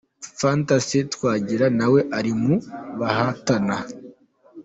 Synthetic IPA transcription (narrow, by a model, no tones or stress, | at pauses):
fantasitwaːɟiɾanawe̞ʔaɾimuβahatana